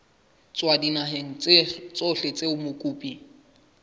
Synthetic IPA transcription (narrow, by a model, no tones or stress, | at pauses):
t͡sʼwadinaɦeŋ̩t͡st͡sʼoɬet͡sʼeʊmʊkʼuːpʼi